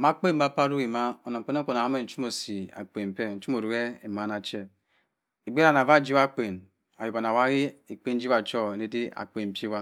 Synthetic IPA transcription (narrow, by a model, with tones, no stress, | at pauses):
ma˦k͡pe˦m̩˦a˦˨pa˦ɾu˦ɣi˨ma˦o˨na˨ŋ̩˨k͡pe˦ne˦ko˨na˨a˦me˦n̩˦t͡ʃu˦mo˨si˨a̰˨k͡pe˨m̩˨pe˦˨n̩˨˦t͡ʃu˦mo˨ɾu˨ɣe˦e˨ma˨˦na˨t͡ʃe˦ | i˨ɡ͡be˦ɾa˦˨na˨va˦˨˦d͡ʒi˦wa˦k͡pe˨n | a˨ju˨ba˨na˨wa˦ɣi˦i˨k͡pe˦n̩˦d͡ʒi˦wa˨t͡ʃo˦˨e˨ne˦di˦a̰˨k͡pe˨m̩˨pʲji˦wa˦